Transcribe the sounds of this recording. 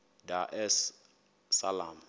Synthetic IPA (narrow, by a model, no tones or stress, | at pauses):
daʔɛs | salam